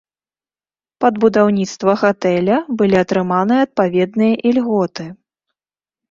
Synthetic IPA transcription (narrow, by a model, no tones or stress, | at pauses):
pɐd̪bud̪awnʲit̪st̪vɐɣat̪ɛlʲɐbɨlʲiɐt̪ɾɨmanɨjɐɐt̪̚pavʲɛd̪nɨjɐʔilʲɣɔt̪ɨ